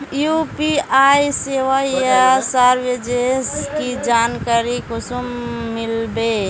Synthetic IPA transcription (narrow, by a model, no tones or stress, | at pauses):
jupiajiseʋajasaɾʋed͡ʒeskid͡ʒankaɾikosumːilbe